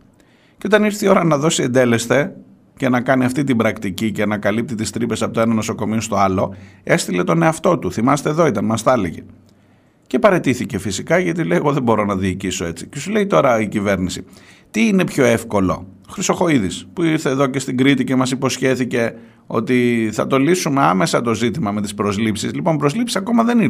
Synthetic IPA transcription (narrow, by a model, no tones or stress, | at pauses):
ceo̞t̪ɐniɾθio̞ɾɐnɐðo̞sie̞nd̪e̞le̞st̪e̞ | ce̞nɐkɐniɐft̪it̪̬ibɾɐkt̪icice̞nɐkɐlip̚t̪it̪ist̪ɾipe̞sɐpot̪oenɐno̞soko̞miost̪o̞ɐlo̞e̞st̪ile̞t̪o̞ne̞ɐft̪o̞t̪uθimɐst̪eːðo̞it̪ɐnmɐsθɐleʝe̞̰ | ce̞pɐɾe̞t̪iθice̞fisikɐʝɐt̪̬ilejɣo̞ðeboɾo̞nɐðiːciso̞e̞t͡sicesule̞it̪o̞ɾɐicive̞ɾnisi | t̪iːne̞pço̞e̞fko̞lo̞̰ | xɾiso̞xo̞iðispuiɾθe̞ːðo̞ce̞st̪iŋɡɾit̪ice̞mɐsipo̞sçe̞θice̞ | o̞̰t̪iθɐ̰t̪o̞lisume̞ɐme̞sɐt̪o̞zit̪imɐme̞t̪i̥spɾo̞zlipsizlipo̞npɾo̞zlipsi̥sɐko̞mɐðe̞niɾ